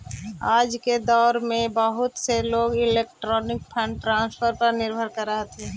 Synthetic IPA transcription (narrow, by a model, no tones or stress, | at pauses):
aːd͡ʒked̪ɔːɾmẽbəɦʊt̪seloːɡɪleːk̚ʈɾɔːnɪk̚pʰɛ̃ɳʈɾãːnspʰəɾpɐɾnɪɾbʱəɾkɐɾːəɦet̪ʰeː